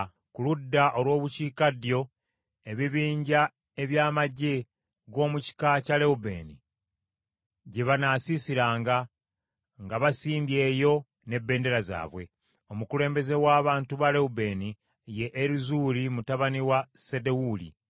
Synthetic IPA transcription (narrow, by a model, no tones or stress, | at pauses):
kuludːaʔo̞lwo̞ːβuciːkadjo̞ | e̞βiβiːɲɟa | e̞βjaːmaɟe̞ | ɡo̞ːmuci̥kacale̞ube̞̰ni | ɟeβanaːsisiɾaːŋɡa | ŋɡaβasiːmbje̞ːjo̞ | ne̞bːe̞ːnde̞ɾaza̰ːβwe̞̰ | o̞mukule̞ːmbe̞ze̞waːβaːntuβale̞ube̞ni | je̞ʔːɾizuːlimutaβaniwasedewuːlḭ